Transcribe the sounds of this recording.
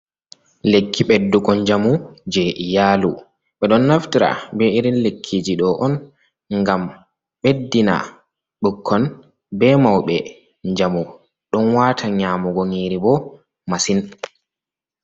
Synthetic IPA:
lekʰːiɓɛdːuɡɔɲd͡ʒamud͡ʒɛʔjaːlu | ɓɛɗɔnːaftiɾa̰bɛiɾinlekʰːid͡ʒiɗɔʔɔn | ŋɡam | ɓedːina̰ | ɗukʰːɔn | bɛmawɓɛ | ɲd͡ʒamu | ɗɔnwaːtʰaɲaːmuɡoŋiːɾibɔ | masin

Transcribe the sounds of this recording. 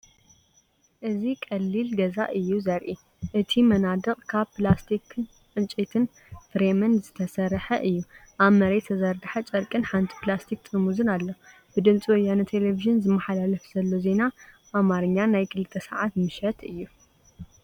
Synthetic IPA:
ʔɨzikʼɐlːilɡɐza̰ʔɨjːuzɐɾʔi | ʔɨt̪ʰimɐnad̪ɨqʼkʰaβplast̪ʰikʰɨ | ʔɨnt͡ʃʼet̪ʰɨn | fɨɾemɐnzɨt̪ʰɐsɐɾħɐʔɨjːuʔaβmɐɾet̪ʰːɐzɐɾd̪ħat͡ʃʼɐɾkʼɨnħant̪ʰi̥plast̪ʰik̚t̪ʼɨmuzɨnalːo | b̥ɨd̪ɨmt͡sʼiwɔjanɐt̪ʰe̞leviʒɨnzɨmːɐħalalɐfz̥ɐlːoze̞na | ʔamaɾɨɲːanajkʰɨlɨt̪ʰːɐsaʕat̪mɨʃɐt̪ɨjːu

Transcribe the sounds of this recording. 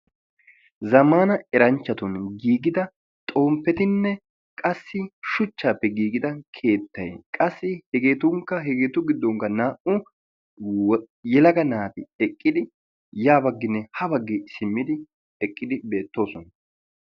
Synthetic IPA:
zɐmaːnɐɛɾɐnt͡ʃːɐt̪ʊnɡiːɡɪd̪ɐ | t̪ʼo̞ːmpːɛt̪ɪnːɛ | kʼɐsːɪʃʊt͡ʃːaːpːɛɡiːɡɪd̪ɐkʰe̞ːt̪ːɐjkʼɐsːɪhɛɡe̞ːt̪ʊŋkːɐɦɛɡeːt̪ʊɡɪd̪ːɔŋkːɐnaːʔʊ | jɛlɐɡɐnaːt̪ɪɛkʼːɪd̪ɪ | jaːbɐɡːɪnːɛhɐbɐɡːɪsɪmːɪd̪ɪ | ɛkʼːɪd̪ɪbe̞ːt̪ːo̞ːsɔnɐ

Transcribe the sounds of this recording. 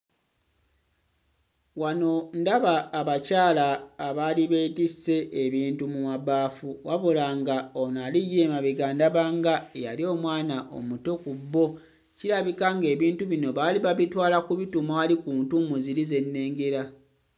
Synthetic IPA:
wano̞ndaβaːβacaːlaːβaliβe̞ːtise̞ʔːβiːntumuwaβaːfuwaβulaŋɡaonalijeːmaβiɡandaβaŋɡaeja̰lio̞ːmwaːnaʔo̞̰muto̞kubːo̞ | cilaβikaŋɡe̞ːβiːntuβino̞βaːliβaβitwaːlakuβitumwaːlikuːntumuziɾize̞nːe̞ːŋɡe̞ɾa

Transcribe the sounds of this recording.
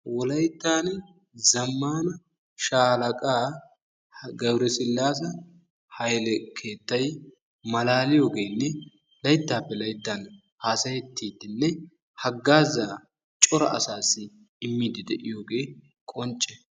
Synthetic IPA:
wɔlɐjt̪ːaːn | zɐmːaːnɐ | ʃaːlɐkʼaː | ɡɐbɾɛsɪlːaːs̬ɐ | hɐjlɛkʰe̞ːt̪ːɐj | mɐlaːlɪjo̞ːɡe̞ːnːɛ | lɐjt̪ːaːpːɛlɐjt̪ːan | haːsɐjɛt̪ʰːiːd̪ɪnːɛ | hɐɡːaːzaː | t͡ʃʼɔɾɐ̰ʔɐ̰saːsɪ | ɪmːiːd̪ɪd̪ɛʔɪjo̞ːɡe̞ː | kʼɔnt͡ʃʼːɛ

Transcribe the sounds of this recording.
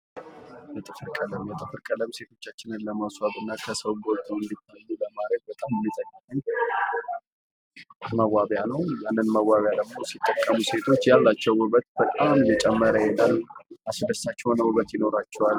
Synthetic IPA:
jɛt̪ʼɨfɨɾkʼələmjɛt̪ʼɨfɨɾkʼələmse̞t̪ʰo̞t͡ʃːat͡ʃːɪnɨnləmaswabɨnːakʰəsəwɡot̪ʼuɨnd̪it̪ːəəlːuləmaɾəɡ̪̚bət̪ʼamɨnːɨzʼəɡːat̪ːəɲ | məwaβjanəwjanːɨnməwːaβjad̪əɡmo̞sit̪ʼːəkʼːəmuse̞t̪ʰo̞t͡ʃːjalːat͡ʃːɛwʊβət̪̚bət̪ʼamjɛt͡ʃʼɛmːəɾəjɛnːaasd̪əsːat͡ʃːɛwnəwɨβət̪jɪno̞ɾat͡ʃːɛwal

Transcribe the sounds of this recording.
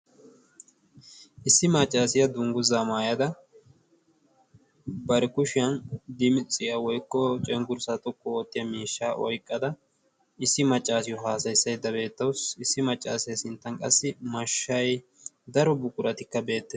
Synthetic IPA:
ʔɪsːɪmɐt͡ʃʼːaːsɪjɐd̪ʊŋɡʊzamaːjɐd̪ɐ | bɐɾɛkʊʃɪjɐnd̪ɪmɪt͡sʼɪjɐwɔjkːɔt͡ʃʼɛŋɡʊɾsɐt̪ʼɔkʼːɔot̪ːɪjɐmiːʃːaːʔɔjkʼːɐd̪ɐ | ɪsːɪmɐt͡ʃʼːaːsɪjɔɦaːsɐjsːɐjd̪ːɐbe̞ːt̪ːɐwsɪsːɪmɐt͡ʃʼːaːsɐjsɪnt̪ːɐnkʼɐ̰sːɪmɐʃːɐj | d̪ɐɾɔbʊkʼʊɾɐt̪ɪkːɐbe̞ːt̪ːe

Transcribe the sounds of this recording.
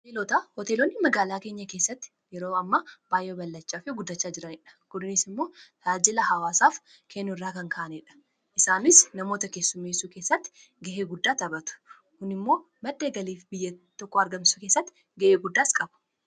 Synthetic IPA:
ɔeːlɔt̪ahɔt̪eːlɔnːɪmɐɡaːlaːke̞ːɲːɐkeːsːɐt̪ːɪ̥jɛɾoːɐmːɐb̥aːjʔeːbɐlːɐt͡ʃːaːfɪɡʊd̪ːɐt͡ʃːaːd͡ʒɪɾɐnɪᶑɐ̥kʊd̪ɪnɪsɪmːo̞ːt̪aːd͡ʒɪlɐhɐwaːsaːf | kʰenːʊɪrːaːkɐŋkaʔɐnɪᶑɐ̥ | ʔɪsaːnɪsnɐmo̞ːt̪ɐkeːsːʊmesuːke̞ːsːɐt̪ːɪ̥ | ɡɐʔeːɡʊd̪ːaːt̪ɐbɐt̪ʊ̥ | kʊnɪmːo̞ː | mɐd̪ːeːɡɐliːfbɪjːɐt̪ːɔkːɔɐɾɡɐmsuke̞ːsːɐt̪ːɪ̥ | ɡɐʔeːɡʊd̪ːaːskʼɐb̥ʊ̥

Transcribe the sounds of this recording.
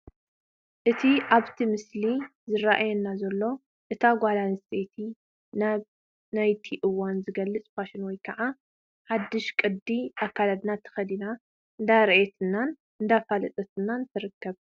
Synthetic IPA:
ʔɨt̪ʰiʔaβt̪ʰimɨslizɨɾaʔajɛnːazɐlːo̞ | ʔɨt̪ʰaɡʷalanst̪ʰet̪ʰi | na | najt̪ʰiʔɨwːanzɨɡɐlːɨt͡sʼfaʃɪnwɔjkʰɐʕa | ħad̪ːɨʃkʼɨd̪ːiʔakːalad̪nat̪ʰɐ̥xɐd̪ina | ʔɨnd̪aɾʔet̪ʰɨnːan | ɨnd̪afalɐt̪ʼɐt̪ʰɨnːant̪ʰɨɾɨkːɐβ

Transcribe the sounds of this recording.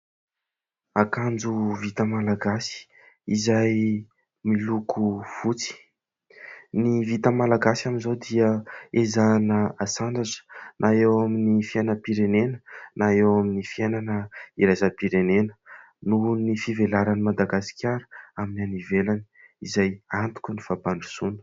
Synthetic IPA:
akand͡zuvit̪əmalaɡasi̥ | izaj | milukʰuv̥ut͡si̥ | nivit̪əmalaɡasamizod̪iəezanəasaɳɖ͡ʐazə̥nʔaewaminifiajnəpiɾenenənaewaminifiajnanəiɾazapiɾenenə̥ | nunifivelaɾanimad̪aɡasi̥kʲʰaɾəaminanivelani̥ | izajant̪u̥kʲunifabaɳɖ͡ʐusunə̥

